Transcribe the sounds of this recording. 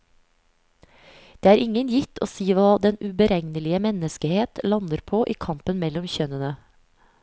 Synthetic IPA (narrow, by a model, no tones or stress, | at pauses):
d̪̥eːæːɾʔɪŋənjɪt̪ʰo̰ːsiːʋɑːd̪ɛnʉbəɾɛŋnəlɪəmɛnəskəheːt̪lɑnəɾpʰoːʔiːkʰɑmpənmɛlɔmçœnənə